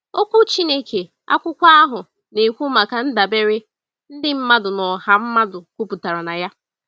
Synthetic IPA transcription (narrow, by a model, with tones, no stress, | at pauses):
o˦kʷu˦t͡ʃi˦ne˦ke˨ | a̰˦kʷʊ˦kʷa˦a˦ɦʊ˨ | ne˨kʷu˦ma˨ka˨n̩˦da˨be˦ɾe˦ | n̩˦dɪ˦m̩˦ma˦dʊ˨nɔ˨ha˨m̩˦ma˦dʊ˨kʷu˦pu˨ta˨ɾa˨na˨ja˦